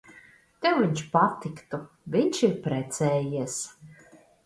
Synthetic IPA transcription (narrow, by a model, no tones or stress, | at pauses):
t̪ɛwviɲʲʃpat̪ikt̪u | vʲiɲʲʃiɾpɾɛt̪sʲɛːjiɛs